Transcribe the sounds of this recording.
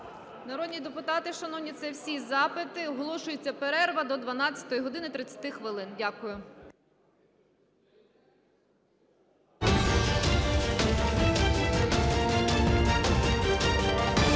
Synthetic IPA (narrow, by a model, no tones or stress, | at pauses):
nɐɾɔd̪ʲnʲid̪epʊt̪ɑt̪ɪʃɐnɔwnʲit̪sɛwsʲizɑpɪt̪ɪɔɦɔlˠɔʃʊjʊt͡sʲːɐpeɾɛrʋɐd̪ɔd̪ʋɐnɑt͡sʲɐ̥t̪ɔjiɦɔd̪ɪnɪt̪ɾɪt͡sʲːɐ̥t̪ɪxʋɪlˠɪndʲakʊjʊ